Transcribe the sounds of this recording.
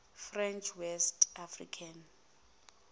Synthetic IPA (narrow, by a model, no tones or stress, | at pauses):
frɛnt͡ʃʰwɛstʰafrḭkʰan